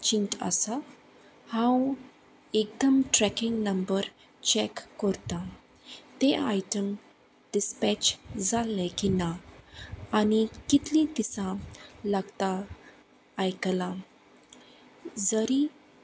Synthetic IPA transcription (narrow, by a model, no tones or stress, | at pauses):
t͡ɕinʈa̰sa | hãw | ek̚d̪əmʈɾɛkiŋɡnəmbəɾ | t͡ɕɛkːəɾt̪a | t̪eʔajʈəm | ɖispɛt͡ɕd͡zalːɛ̃kinaː | nikit̪lĩd̪isãlaɡt̪aː | jkla | d͡zəɾi